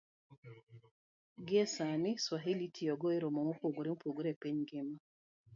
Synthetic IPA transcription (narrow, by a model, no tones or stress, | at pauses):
ɡɪesanɪswaɦilitʰijɔɡɔeɾomɔŋopoɡoɾiŋpoɡoɾɛpeɲɡɪma